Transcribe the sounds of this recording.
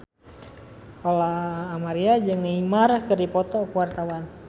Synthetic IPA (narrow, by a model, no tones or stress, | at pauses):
ɔlaːmaɾiad͡ʒɨŋnaimarkərdipɔt̪ɔkəwart̪awan